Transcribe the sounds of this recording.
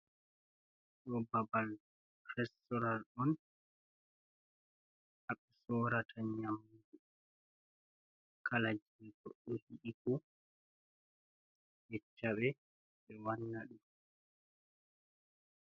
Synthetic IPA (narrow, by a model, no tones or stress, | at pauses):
ɗɔbabal | ɾɛstɔɾalɔn | haɗːɛsɔːɾatʰaɲamːud͡ʒu | kalad͡ʒiɡɔɗːɔhiɗikɔ | jɛt͡ʃːaɓɛ | ɛwanːaɗum